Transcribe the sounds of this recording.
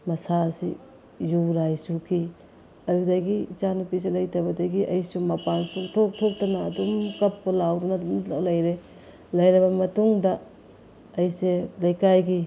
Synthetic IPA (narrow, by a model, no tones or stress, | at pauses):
mɐsasi | juɾajsukʰi | ɐjudɐɡit͡ʃanupiselɐjtɐbɐdɐɡiʔɐjsumapansutʰok̚tʰok̚tɐnɐːdumkɐpːolawɾunɐdmlɐjɾe | lɐjɾɐbɐmɐtuŋdɐː | jselɐjkajɡi